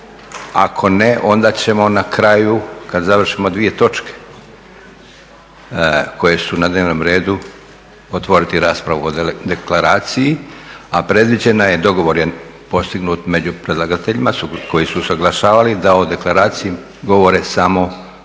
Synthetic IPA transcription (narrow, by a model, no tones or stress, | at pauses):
a̰kʰo̞ne̞ʔo̞nd̪aːt͡ɕe̞mo̞nakɾajukad̪zaʋr̩ʃimo̞d̪ʋije̞t̪o̞t͡ʃke̥ | ko̞je̞sunad̪ne̞ːʋnoːmɾe̞ːd̪u | ot̪ʋo̞ɾit̪iɾaːspɾaʋuod̪e̞klaɾaːt̪sijiapɾe̞d̪ʋid͡ʑe̞najed̪o̞ɡo̞ʋo̞ɾjepo̞st̪iɡnuːt̪me̞d͡ʑupɾe̞d̪lˠaɡat̪eʎimako̞jisusaɡlˠaʃaːʋalid̪aod̪e̞klˠaɾaːt̪siji | ɡo̞ʋo̞ɾe̞samo̞